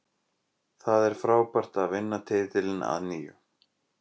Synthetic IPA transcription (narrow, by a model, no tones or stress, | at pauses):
θaðɛɾ̥fɾaːwpar̥t̪aðvɪnːat̪ʰɪːðt̪ɪlɪna̰ðniːjʏ̰